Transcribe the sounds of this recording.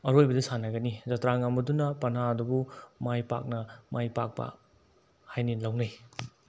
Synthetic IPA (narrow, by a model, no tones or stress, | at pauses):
ɐɾojbɐdisanɐɡɐnizɐtɾaŋamɐdunɐpɐnaɐdubumajpa̰k̚nɐmajpa̰k̚pɐ̰ | hajnilawnaj